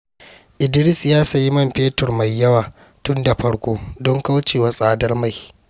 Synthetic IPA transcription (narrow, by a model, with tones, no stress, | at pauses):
ʔɪ˨dɪ˦ɽɪ˦sjaː˦sa˨ji˦mɐ˦mɸeː˦tʊ˨rma˨jːɐ˦waː˨ | tʊ˦nda˨ɸɐ˦ɽkʷoː˦dɔ˦ŋka˦wt͡ʃeː˨waː˨sʼaː˦dɐ˦rma˦˨j